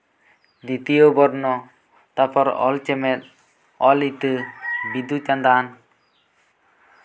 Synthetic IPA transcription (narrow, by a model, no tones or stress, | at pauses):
d̪it̪ijobɔɾnɔ | t̪apɔɾɔ̰lt͡ʃɛmɛt̪̚ | ɔlit̪əbid̪ut͡ʃand̪an